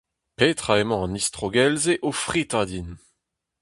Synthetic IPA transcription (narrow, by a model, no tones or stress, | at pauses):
pet̪χaemɑ̃ɑ̃nist̪χoɡɛlzeʔofʁit̪ad̪in